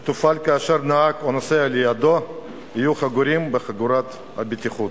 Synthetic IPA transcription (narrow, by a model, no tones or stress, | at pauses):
t̪ufalkaːʃeɾnaakonasealijad̪o | hijuχaɡuɾimbeχaɡuɾat̪ | a̰bit̪iχud̪